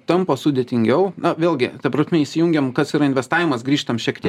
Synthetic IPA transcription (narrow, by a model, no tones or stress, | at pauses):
t̪ɐmposʊd̪ʲet̪ʲɪŋʲɡʲɛʊnɐʋʲeːlˠʲɡʲɪt̪ɐpɾɐsʲmʲɛiːsʲɪjuŋʲɡʲɛmkɐsiɾɐɪnʲʋʲɛst̪ɑːʋʲɪmɐsɡɾʲiːʃt̪ɐmʃʲiɛkt̪ʲiɛ